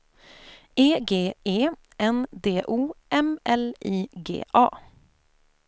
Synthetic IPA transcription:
eːɡeːeː | ɛnd̪eːʔuːʔɛmɛliːɡḛːʔɑ̰ː

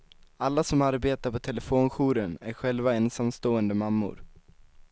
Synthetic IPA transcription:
alːasɔmaɾbeːt̪aɾpʰɔt̪ʰɛləfoːnɧuːɾənæɾɧɛlvaɛnsamst̪oːənd̪əmamːʊ̰ɾ

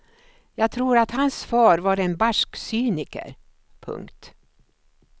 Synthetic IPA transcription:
jɑːɡ̚t̪ʰɾuːɾat̪hansfɑːɾvaɾɛnbaʂksyːnɪkə̰ɾ | pʰɵ̰ŋkt̪

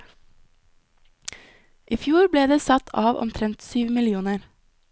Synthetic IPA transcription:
ʔiːfjuːɾbleːd̪eːsɑt̪ʰɑːʋʔɔ̰mt̪ʰɾɛnt̪syːʋmɪlɪuːnəɾ

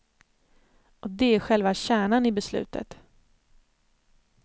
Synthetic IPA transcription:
ɔd̪ɛæɾɧɛlvaɕæːɳanɪbɛslʉ̟̰ːt̪ʰə̰t̪

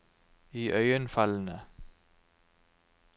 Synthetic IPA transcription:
iːʔœʏənfɑlnə

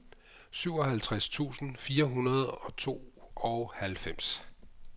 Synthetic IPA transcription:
syʊ̰ɒ̽ɦælt͡sʰʁast͡sʰṵːsn̩fiːɐɦunɐð̩ˠɒ̽t͡sʰo̝̰ːɒ̽ʊhælfem̰s

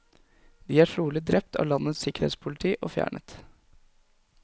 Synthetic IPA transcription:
d̪iːæʈʰɾuːlɪd̪ɾɛpt̪ʰɑ̰ːlɑnːəsɪkəɾhḛːt̪spʰʊlɪt̪ʰiːʔo̰ːfjæ̰ːɳə̰t̪

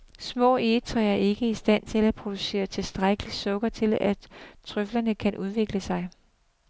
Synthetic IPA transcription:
smɔ̰̽ːeːt͡sʰʁɛɐe̝ɡ̥əisd̥æn̰t͡sʰe̝læpʰʁo̝d̥use̝̰ːɐt͡sʰe̝sd̥ʁaɡ̥əlisɔ̽ɡ̥ɐt͡sʰe̝læt͡sʰʁœflɐnəkʰænʔuð̞ˠʋe̝ɡ̥ləsɑ̈ɪ

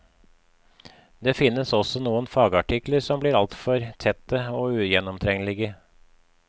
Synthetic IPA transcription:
d̪eːfɪnːəsɔsɔnuːənfɑːɡɑʈʰɪkləɾsɔmbliːɾɑlt̪fɔɾt̪ʰɛt̪ːəoːʉːjɛnɔmt̪ʰɾɛŋəlɪɡə

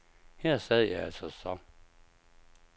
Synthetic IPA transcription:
hæɐ̰sɛð̩ˠəjaɪælsɒsɒ

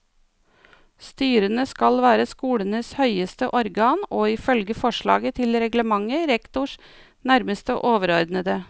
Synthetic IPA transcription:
st̪yːɾənəskɑlʋæːɾəskuːlənəshœʏəst̪əʔɔɾɡɑːnoːɪfœlɡəfɔʂɭɑ̰ːɡət̪ʰɪlɾɛɡləmɑŋːəɾɛkt̪ʊʂ | næɾməst̪əʔoːʋəɾɔɾd̪nəd̪ə

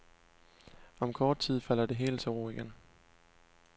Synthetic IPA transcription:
ɒ̽mkʰɒːd̥̚t͡sʰið̰ˠfæl̰ɐde̝ɦe̝̰ːld̥sɒʊɐiɡ̥en

